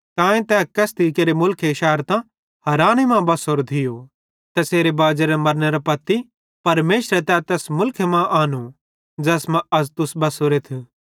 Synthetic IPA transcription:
t̪ãːẽt̪ɛːkɐst̪ikeɾemʊlkʰeɪʃaːɾt̪ã | hɐɾaːñimãbɐsoːɾd̪ʰʱɪjo | t̪ɛseːɾebaːd͡ʒeɾɛmɐɾneɾapɐt̪ːi | pɐɾmeːʃɾɛt̪ɛt̪ɛːsmʊlkʰemãʔaːnu | d͡ʒɛːsmãɐst̪ʊsbɐsoɾeːt̪ʰ

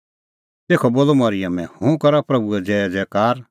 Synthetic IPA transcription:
t̪eːkʰɔboːlomɐɾɪjəmɛ̃hũkɐɾapɾɐbuɛd͡zɛːd͡zɛːkaːɾ

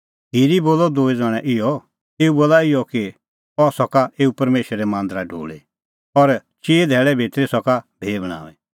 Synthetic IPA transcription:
ɦiːɾiboːlɔd̪oːid͡zaːɽ̃ɛ̃ʔɪjɔ | eːuboːlaɪjɔki | ɔsɔkaʔeːupɐɾmeːʃːɛmãːnd̪ɾaɖʱo̰ːɭe | ɔɾt͡ʃeːd̪ʱɛːɭɛbʱet̪ɾesɔkabʱeːbəɽ̃ã̰ːʋɛ

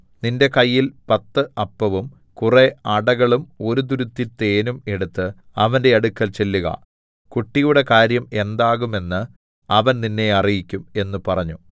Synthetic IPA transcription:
ninde̞kɐjːilpɐt̪ːɨʔɐpːɐʋum | kure̞ɐɽɐɣɐɭumo̞ɾud̪uɾut̪ːit̪ːe̞ːnume̞ɽut̪ːɨ | ɐʋɐnde̞ɐɽukːɐlt͡ɕe̞lːuɣɐ̰ | kuʈːijuɽe̞kaːɾjɐme̞nd̪aːɣume̞nːɨ | ɐʋɐnninːe̞ɐrijikʲːume̞nːupɐrɐɲːu

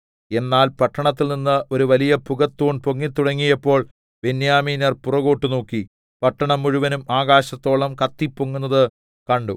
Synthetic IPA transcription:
e̞nːaːlpɐʈːɐɳɐt̪ːilninːɨo̞ɾuʋɐlijɐpuɣɐt̪ːuːɳpoŋːit̪ːuɽɐŋːijɐpːo̞ːɭ | benjaːmiːnɐrpurɐɣoːʈːɨno̞ːkːi | pɐʈːɐɳɐmːuɻuʋɐnumaːɣaːɕɐt̪ːo̞ːɭɐmkɐt̪ːipːoŋːunːɐðɨ | kɐɳɖu

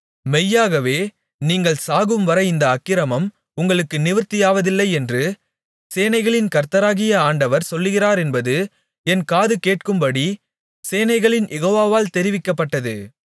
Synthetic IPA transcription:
mɛjːaːɣɐʋeː | niːŋɡɐɭsaːɣɯmʋɐɾɐɪnd̪ɐːkːɪɾɐmɐm | ʊŋɡɐɭɯkːɯnɪʋɪɾt̪ːɪjaːʋɐðɪlːɐɪɛndrɯ | seːnɐɪɣɐɭɪnkɐɾt̪ɐɾaːɣɪjɐaːɳɖɐʋɐɾsɔlːɯɣɪraːɾɛnbɐðɯ | ɛnkaːðɯkeːʈ̚kɯmbɐɽi | seːnɐɪɣɐɭɪnjʔɛɣoːʋaːʋaːlt̪ɛɾɪʋɪkːɐpːɐʈːɐðɯ̰

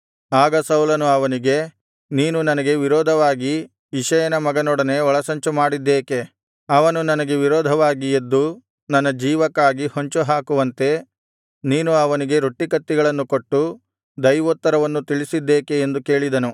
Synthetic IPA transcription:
aːɡɐsɐwlɐnuɐʋɐniɡe̞ | niːnunɐnɐɡe̞ʋiɾɔːd̪ʱɐʋaːɡiː | ʃɐjɐnɐmɐɡɐnɔːɽɐne̞ɔɭɐsɐɲt͡ʃumaːɽid̪ːeːke̞ | ɐʋɐnunɐnɐɡe̞ʋiɾɔːd̪ʱɐʋaːɡijed̪ːu | nɐnːɐd͡ʒiːʋɐkːaːɡihoɲt͡ʃuɦaːkuʋɐnt̪e̞ | niːnuɐʋɐniɡe̞ɾoʈːikɐt̪ːiɡɐɭɐnːukoʈːu | d̪ɐjʋot̪ːɐɾɐʋɐnːut̪iɭisid̪ːeːkeːnd̪uke̞ːɭid̪ɐnu

